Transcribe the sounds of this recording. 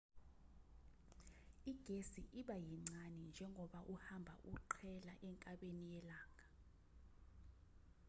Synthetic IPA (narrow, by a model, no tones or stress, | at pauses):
iɡ̥ʱesiʔiɓajiŋ͡ǀanind͡ʒʱɛŋʱɔɓaʔuhambʱa̰ʔuǃʰɛla̰ʔɛŋkʼaɓenijɛlaːŋʱa